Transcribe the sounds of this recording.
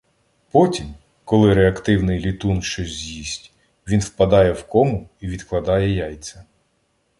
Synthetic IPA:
pɔtʲim | kɔlˠɪɾeɐkt̪ɪwnɪjlʲit̪unʃt͡ʃɔsʲzʲjisʲtʲ | ʋʲinwpɐd̪ɑjɛwkɔmʊiʋʲid̪klˠɐd̪ɑjɛjɑjt̪t͡s̪ʲɐ

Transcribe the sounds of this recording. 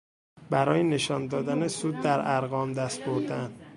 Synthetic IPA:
bæɾɒːjene̞ʃɒːnd̪ɒːd̪ænesuːd̪̚ːæɾʔæɾɣɒːmd̪æst̪̚boɾd̪ænd̪

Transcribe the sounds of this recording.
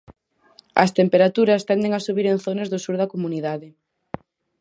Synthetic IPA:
ɐ̰st̪empeɾat̪uɾɐst̪ɛnd̪eŋasuβiɾenθonɐzðʊsuɾðɐkomuniðaðɪ

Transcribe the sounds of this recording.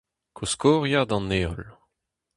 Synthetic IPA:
kʰuskɔːʁjad̪ɑ̃nːeːɔl

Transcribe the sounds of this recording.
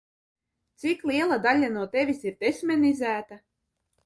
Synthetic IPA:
t̪siklˠiɛlˠad̪alʲanuɔt̪ɛvʲisiɾd̪esʲmʲɛnizæːt̪a

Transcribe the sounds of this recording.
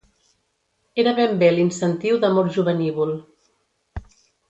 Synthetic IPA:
eɾəβembelinsənt̪iwðəmɔɾʒuβəniβul

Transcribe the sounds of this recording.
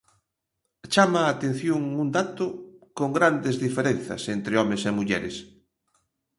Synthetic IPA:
t͡ʃamaːt̪en̟θjoŋund̪at̪ʊkoŋɡɾand̪ezðifeɾen̟θɐ̰sent̪ɾeɔmesemuʎɛɾḛs

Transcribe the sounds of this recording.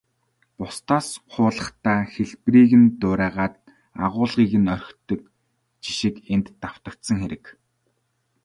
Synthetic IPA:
pʊst̪ʰaːsχʰʊːɮə̆χt̪aːxeɮpriːɣɘ̆nt̪ʊːɾæːʁaːt̪̚ | a̰ʁʊːɮʁiːɣɘ̆nœr̆ʲxt̪ɵ̆k̚ | t͡ɕi̥ʃĭkent̪ːaw̥t̪ə̆k̚t̪sə̆ŋxeɾɘ̆k

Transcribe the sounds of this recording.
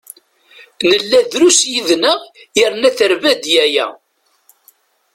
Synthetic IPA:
nəlːæðɾusjiðnəʁjəɾnæθəɾvæd̪jæjæ̰

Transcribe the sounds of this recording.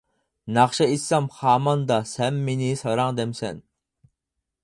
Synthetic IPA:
nɑχʃɑisːɑmχɑːmɑnd̪ɑsɛnmːenɪsɑɾɑŋd̪ɛmsɛ̰n

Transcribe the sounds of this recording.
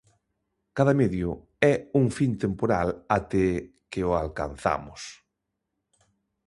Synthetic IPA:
kaðameðjʊ | ɛuŋfint̪empoɾalat̪e | keʊalka̰n̟θa̰mʊs

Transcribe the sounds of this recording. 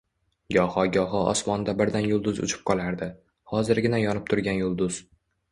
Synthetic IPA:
ɡʲɒhɒɡʲɒɦɒɒ̰smɒnd̪abɪɾd̪anjʊlˠd̪ʊzʊ̰t͡ʃʰɪ̥p̚qʰɒlˠaɾd̪ɪ | hɒzɪɾɡʲɪnajɒnɪp̚t̪ʰʊɾɡʲanjʊlˠd̪ʊz̥

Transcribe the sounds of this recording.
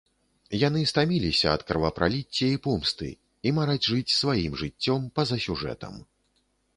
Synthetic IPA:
jan̪ɨst̪amʲilʲisʲɐɐt̪kɐrvɐpɾʔa̰lʲit͡sʲːɛipumst̪ɨ̰ | imaɾad͡zʲʐɨt͡sʲsvajimʐɨt͡sʲːɔmpɐzɐsʲuʐɛ̰t̪ɐ̰m

